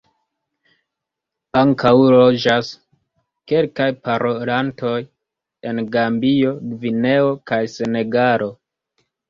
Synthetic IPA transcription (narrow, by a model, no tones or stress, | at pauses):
aŋkʰawlo̞d͡ʒas | ke̞lkajpaɾʔolantʰo̞j | e̞nɡambio̞ɡvine̞o̞kajse̞ne̞ɡaɾo̞